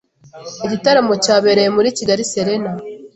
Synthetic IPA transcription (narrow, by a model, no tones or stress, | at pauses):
iɟitaɾamo̞caːβe̞ɾe̞jemuɾiciɡaɾise̞ɾe̞na